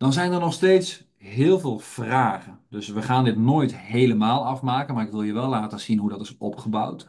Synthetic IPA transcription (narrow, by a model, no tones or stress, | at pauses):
d̥ɔnzɛjnərnɔχsteːts | ɦɪːlˠvɪːlˠv̥raːɣəndɵsʋəχaːndɪtnoːjthejləmaːlˠɑfmaːkənmaːrɪkʋɪlˠjəʋɛlˠlːaːtəsinɦudɔtɪsɔ̰pχəbawt